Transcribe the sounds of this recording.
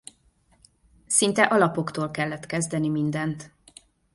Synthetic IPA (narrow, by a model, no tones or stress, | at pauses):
sint̪ɛʔɒlɒpo̞kt̪oːlkɛlːɛt̪kɛzd̪ɛnimind̪ɛnt̪